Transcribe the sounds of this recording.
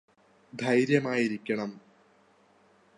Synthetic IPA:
d̪ʱɐjɾjɐmaːjiɾikʲːɐɳɐm

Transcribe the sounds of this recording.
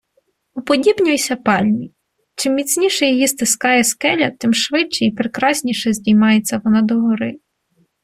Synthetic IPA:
upɔdʲibnʲʊjisʲɐpɑlʲmʲi | t͡ʃɪmːʲit͡sʲnʲiʃɛjɔjist̪ɪskɑjɛskɛlʲɐt̪ɪmʃʋɪt͡ʃːɛipɾekɾɑsʲnʲiʃɛzʲdʲijmɑjet͡sʲːɐʋɔnɑd̪ɔɦɔɾɪ

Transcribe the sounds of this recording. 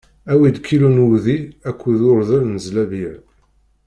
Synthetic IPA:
æwid̪kʰːilunuðiækʷːuðʊɾðəɾnəzlæviʕ

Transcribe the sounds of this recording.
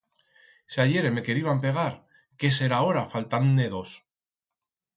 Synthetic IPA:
seaʝe̞ɾeme̞ke̞ɾiβampe̞ɣ̞aɾ | ke̞s̬e̞ɾao̞ɾafalt̪anːeðos

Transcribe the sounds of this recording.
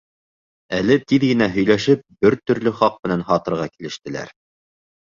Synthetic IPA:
ælɘt̪iðɡɘ̆næɦɵ̆jlæʃɘp̚bɘɾt̪ɵ̆ɾlɵχɑq̚mɘ̆nænhɑt̪ɤ̆ɾʁɑkilɘ̆ʃt̪ɘ̆læ̰ɾ

